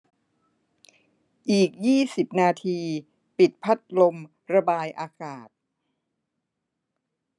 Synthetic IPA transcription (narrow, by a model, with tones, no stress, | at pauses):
ʔiː˨˩k̚jiː˥˩si˨˩p̚naː˧t̪ʰiː˧ | pi˨˩t̪̚pʰa˦˥t̪̚lo˧m | ɾa˧baː˧jʔaː˧kaː˨˩t̪̚